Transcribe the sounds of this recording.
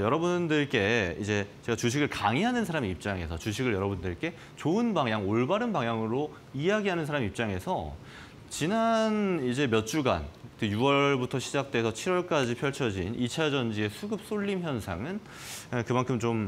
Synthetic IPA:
jʌɾʌbundɯɭk͈e̞id͡ʑe̞t͡ɕe̞ɡat͡ɕuɕʰiɡɯɭkaŋiɦanɯnsʰaɾamiip̚t͡ɕ͈aŋe̞sʰʌt͡ɕuɕʰiɡɯɭjʌɾʌbundɯɭk͈e̞ | t͡ɕoɯnbaŋjaŋoɭbaɾɯnbaŋjaŋɯɾo | ijaɡiɦanɯnsʰaɾamiip̚t͡ɕ͈aŋe̞sʰʌ | t͡ɕinanid͡ʑe̞mjʌt̚t͡ɕ͈uɡa̰nkɯjuʌɭbutʰʌɕʰid͡ʑak̚t͈we̞sʰʌt͡ɕʰiɾwʌɭk͈ad͡ʑipʰjʌɭt͡ɕʰʌd͡ʑinit͡ɕʰad͡ʑʌnd͡ʑie̞sʰuɡɯp̚s͈oʎːimçjʌnsʰa̰ŋɯn | kɯmankʰɯmt͡ɕom

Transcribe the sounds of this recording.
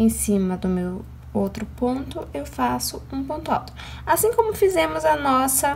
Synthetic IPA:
ẽj̃sĩmɐd̪ʊmew | owt̪ɾʊpõnt̪ʊewfasʊũpõnt̪ʊa̰wt̪ɾʊ | asĩkõmʊfizẽmʊzɐnɔsɐ

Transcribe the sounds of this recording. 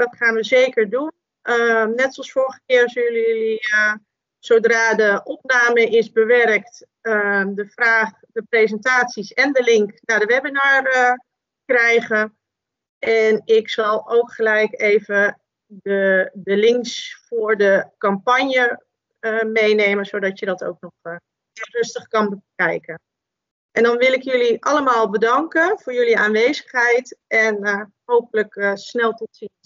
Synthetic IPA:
dɔtχaːnʋəzeːkəɹdun | ənɛtɔlˠsfoɹɣəkɪːrsələjəliə | soːdraːdəʔɔp̚naːməʔɪzbəʋɛrkt | ədəfraːχ | dəpreːzəntaːtsisɛndəlɪŋknadəʋɛbɪnaːrə | krɛjɣən | ɛnɪksɑlˠowkχəlɛjkeːvə | dədəlɪŋksfʊːɹdəkɑmpɑɲjə | əmejnejmənzodɑtjədɔto̰wk̚nɔχ | ɪrɵstəχkɑnbəkɛjkə | ʔɛndɔnʋɪlˠɪkjøliʔɑləmaːlˠbədɑŋkənv̥ʊːɹjøliaːnʋejzəχɦɛjtʔɛnəɦowpələkəsnɛlˠtɔtsi

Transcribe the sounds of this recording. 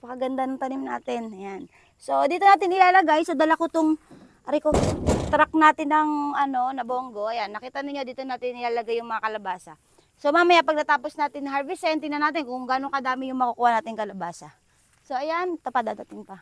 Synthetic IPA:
pɐkɐɡɐnd̪anɐŋt̪ɐnimna̰ːt̪ɪnɐjan | so̞d̪iːt̪oaːt̪ɪnɪlaːlɐɡajsɐd̪ɐlɐkʊt̪oŋ | ɐɾɪkot̪ɾak̚naːt̪ɪnɐŋɐno̞nɐboːŋɡo̞ʔɐjanːɐkiːt̪ɐnɪɲːo̞d̪iːt̪onaːt̪ɪnɪlaːlɐɡajʊŋmɐŋakɐlɐbaːsɐ | so̞maːmɐjapɐɡ̚nɐt̪aːpo̞snaːt̪ɪnhaɹvisɛnt̪inɐnaːt̪ɪnkʊŋɡaːnokɐd̪aːmɪjʊŋmɐkukuːhɐnaːt̪ɪŋkɐlɐbaːsɐ | so̞ʔɐjant̪ɐpad̪aːd̪ɐt̪ɪŋpɐ

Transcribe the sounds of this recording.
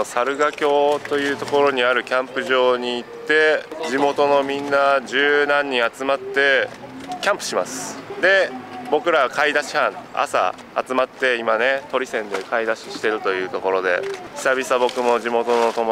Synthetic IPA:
saɾɯ̟ɡakʲo̞ːt̪o̞jɯ̟ːt̪o̞ko̞ɾo̞ɲ̟iaɾɯ̟kʲãmpɯ̟ʑo̞ːɲ̟iːt̪ːe̞d͡ʑimo̞t̪o̞no̞mʲĩnːad͡ʑɨːnãɲ̟ːĩat͡sɨmat̪ːe̞kʲãmpɯ̟̥ɕimasɨ̥d̪e̞bo̞kɯ̟ɾaβakaid̪aɕi̥hãɴa̰sa̰ | a̰t͡sɨmat̪ːe̞imane̞t̪o̞ɾʲisẽ̞nd̪e̞kaid̪aɕi̥ɕi̥t̪e̞ɾɯ̟t̪o̞jɯ̟ːt̪o̞ko̞ɾo̞d̪e̞̰çʲi̥sabʲisabo̞kɯ̟mo̞ʑimo̞t̪o̞no̞t̪o̞mo

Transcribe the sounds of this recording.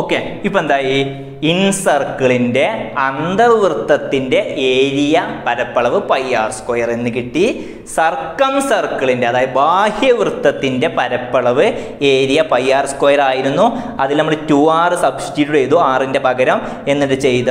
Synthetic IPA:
oːkːeipːoend̪aːji | insɐrkːɐɭinde̞ɐnd̪ɐrʋrɨt̪ːɐt̪ːinde̞ʔeːɾijɐpɐɾɐpːɐɭɐʋɨpɐjːaːrskoːjɐre̞nːɨkiʈːi | sɐrkːɐmsɐrkːɐɭindeɐðaːjɐðɨbaːhjɐʋrɨt̪ːɐt̪ːinde̞pɐɾɐpːɐɭɐʋɨ | e̞ːɾijɐpɐjːaːrskoːjɐraːjiɾunːuɐðilnɐmːuɽetuʋaːrɨsɐbsi̥ʈiɾuɽejt̪ːuaːrinde̞pɐɡɐɾɐm | e̞nːɐʈːɨt͡ɕe̞jt̪ɨ

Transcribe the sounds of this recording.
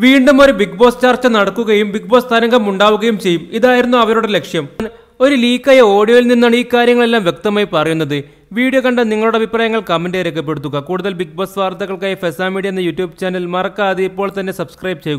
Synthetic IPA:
ʋiːɳɖumo̞ɾubiɡbo̞ːst͡ɕaːrt͡ɕːɐnɐɽɐkːuɣɐjumbik̚bo̞ːst̪ʰɐnɐŋɡɐmuɳɖaːʋuɣɐjumt͡ɕe̞jːumiðaːjiɾunːuɐʋɐnoːɽele̞kʂjɐmn | o̞ɾuliːkːaːjɐo̞ːɽijo̞ːjilninːaːɳiːkːaːɾjɐŋːɐɭe̞lːaːmʋje̞k̚t̪ɐmaːjipɐrɐjunːɐðɨ | ʋiːɽijɐkɐɳɖɐniŋːɐɭuɽeɐbʱipraːjɐŋːɐɭkɐmːendeɾek̬ːɐpːe̞ɽut̪ːuɣɐkuːɽuðɐlbiɡ̚bo̞ːsʋaːrt̪ːɐɣɐɭkaːjifesaːmiɽiɐenːɐjutːjuːbt͡ɕaːnɐlmɐrɐkːaɐðɨipːo̞ːɭt̪ɐnːe̞sɐbskrɐjb̚t͡ɕe̞juɣu

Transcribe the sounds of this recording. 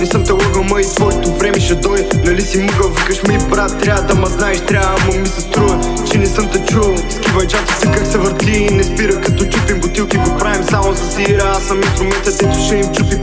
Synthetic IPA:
nɛsəmt̪ɐlɔɡɐmɐisvɔɛt̪ʊfɾɛmiʃɛd̪ɔj̪nɐlisiməɡɐvikəʃmɛjpɾat̪ːɾʲjad̪ɐmɐznaɛʃt̪ɾʲamomisɛst̪ɾuə | t͡ʃɛnɛsəmt̪ɐt͡ʃulˠ | skivɐjt͡ʃat̪i̥t̪ɛkaksɛvəɾt̪linɛspiɾəkɐt̪ɔt͡ʃupimbot̪ilˠk̪iɡopɾavimsamozɐsiɾəasːɐminst̪ɾʊmɛnt̪əd̪ɛt̪ʊʃɛimt͡ʃupi

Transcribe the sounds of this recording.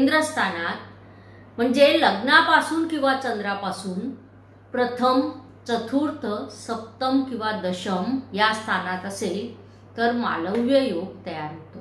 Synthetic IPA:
end̪ɾəst̪ʰanat̪̚ | m̤əɳd͡zeləɡnapasuːnkĩw̃ʋat͡ɕənd̪ɾapasuːn | pɾət̪ʰəm | t͡sət̪ʰuɾt̪ʰəsəp̚t̪əmkĩw̃ʋad̪əɕəmjast̪ʰanat̪əsel | t̪əɾma̰lə̃ʋjəjoɡ̚t̪əjaɾɦot̪o

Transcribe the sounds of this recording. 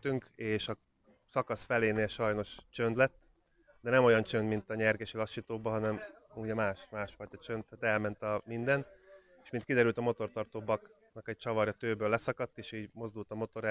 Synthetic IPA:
t̪yŋkeːʃɒ | sɒkɒsfɛleːneːlʃɒjno̞ʃt͡ʃønd̪lɛt̪ː | d̪ɛnɛmo̞jɒnt͡ʃønd̪mint̪ɒɲɛrɡɛʃilɒʃːiːt̪oːbɒɦɒnɛm | uɟɛmaːʃmaːʃfɒjt̪ɒt͡ʃønt̪ːaːt̪ɛlmɛnt̪ɒmind̪ɛn | eːʃminkid̪ɛɾylt̪ɒmo̞t̪o̞rt̪ɒrt̪oːbɒk | nɒkɛc̚t͡ʃɒvɒɾjɒt̪øːbøːlːɛsɒkɒt̪ːeːʃiːɟmo̞zd̪ult̪ɒmo̞t̪o̞ɾɛ

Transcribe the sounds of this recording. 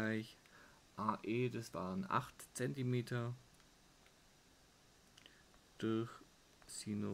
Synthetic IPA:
aɪç | ʔaːʔeːdasv̥a̰ːʁənʔa̰χtt͡sɛntimeːtɐ | d̥ʊɐç | sino

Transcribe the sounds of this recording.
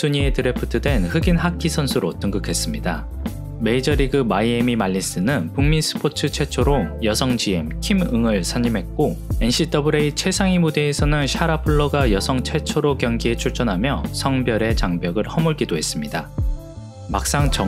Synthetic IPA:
sʰuɲie̞tɯɾe̞pʰɯtʰɯdwe̞nhɯɡinɦakʰisʰʌnsʰɯɾotɯŋɡɯkʰe̞s͈ɯmɲida | me̞id͡ʑʌɾiɡɯmaiemimaʎːis͈ɯnɯnpuŋminsʰɯ̥pʰotʰɯt͡ɕʰe̞t͡ɕʰoɾojʌsʰʌŋd͡ʑie̞mkʰimɯŋɯɭsʰaɲimɦe̞t̚k͈oe̞nɕʰit͈ʌbɯɾeit͡ɕʰe̞sʰaŋimude̞ːsʰʌnɯnɕʰaɾapʰuɭːʌɡajʌsʰʌŋt͡ɕʰe̞t͡ɕʰoɾokjʌŋɡie̞t͡ɕʰuɭt͡ɕ͈ʌnɦamjʌsʰʌŋbjʌɾe̞t͡ɕaŋbjʌɡɯɭhʌmuɭɡidoɦe̞s͈ɯmɲida | mak̚s͈aŋt͡ɕʌ

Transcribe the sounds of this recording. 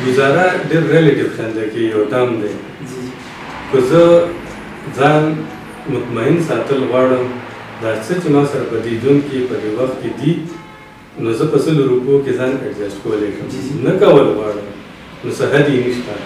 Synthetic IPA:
ɡʊzɑɾaɖeɾːeleʈɪvxand̪akeɡijawʈamd̪ej | kəzə | zɑn | mʊt̪maɪnsɑt̪əlɣwɑɽəm | d̪ɑt͡sət͡ʃemɑsaɾapəd̪id̪uŋkipəd̪ewaxt̪̚ked̪i | nozəpəsəloɾupokezɑneʈzasʈkawleʃəmnakawəlɣwɑɽəm | nosaɦad̪jeniʃt̪a

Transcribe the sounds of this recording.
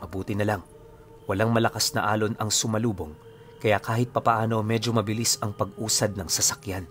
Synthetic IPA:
ʔɐbuːt̪ɪnɐlaŋ | wɐlaŋmɐlɐkasnɐ̰ʔaːlo̞nɐŋsʊmɐluːbo̞ŋ | kɐjakaːhɪt̪̚pɐpɐʔaːno̞mɛd͡ʒo̞mɐbɪlisɐŋpɐɡʔuːsɐd̪̚nɐŋsɐsɐkjan

